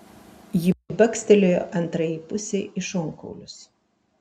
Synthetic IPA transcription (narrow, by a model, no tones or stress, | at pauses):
jɪbʲɐkʲsʲt̪ʲɛlʲojoʔɐnˑt̪ɾɐjipʊsʲeɪʔɪʃɔŋkɔ̰ʊlʲʊs